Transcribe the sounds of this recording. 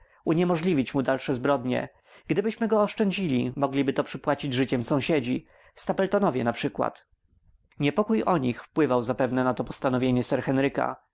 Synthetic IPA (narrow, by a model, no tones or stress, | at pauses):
uɲɛmɔʐlʲivʲit͡ɕmud̪alʂɛzbɾɔd̪ɲɛ̰ | ɡ̥d̪ɘbɘɕmɘɡɔːʂt͡ʂɛɲd͡ʑilʲimɔɡlʲibɘt̪ɔpʂɘpwat͡ɕid͡ʑʐɘt͡ɕɛmsɔ̃w̃ɕed͡ʑi | st̪apɛlt̪ɔnɔvʲjɛnapʂɘkwa̰t̪ | ɲɛpɔkujɔɲixfpwɘvawzapɛvnɛnat̪ɔpɔ̥st̪anɔvʲjeɲɛsɛɾxɛnɾɘka̰